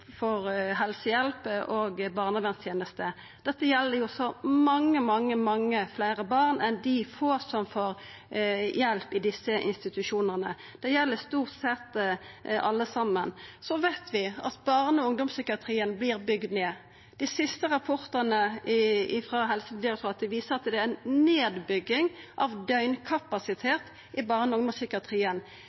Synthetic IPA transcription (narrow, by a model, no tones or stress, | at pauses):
fɔɾɦɛlsəjɛlpəʔɔɡbɑːʁnəbɛnst̪ʰjeːnəst̪ə | d̪̥ɛt̪ːəjɛlːəɾjʊsɔmɑŋːəmɑŋːəmɑŋːəflæɪʁəbɑːʁnɛnd̪ɪfoːsɔmfoːɾ | jɛlpɪd̪ɪsːəʔɪ̰nst̪ɪt̪ʉʃuːnəʁnə | d̪̥ɛjɛlːəst̪uːʁt̪sɛt̪ː | ɑlːəsɑmːənsɔʋæɪt̪ʰʋɪʔɑ̰t̪bɑʁnəɔʊŋd̪ɔmsʏkɪɑt̪ʰɾiːənblɪːɾbʏɡd̪neː | d̪̥æsɪst̪əʁɑpʰɔʁt̪ənə | ɪfɾɑɦɛlsəb̪lɪːɾsɔːɑt̪̚d̪ɛʋiːsəɾɑt̪d̪ɛææɪnneːd̪bʏɡːɪŋʔɑʋd̪œʏnkʰɑpɑsɪt̪ʰeːt̪ | ɪbɑʁnəʊŋd̪ɔmsʏkəɑt̪ʰʁiːən